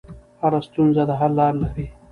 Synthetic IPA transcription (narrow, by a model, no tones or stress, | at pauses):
haɾast̪unzad̪aɦaɾlɑːɾlaɾi